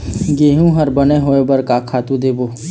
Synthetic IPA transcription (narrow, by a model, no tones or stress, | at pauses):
ɡeːɦũɦəɾbəneɦoebɐɾkaːkʰaːt̪ũd̪eːboː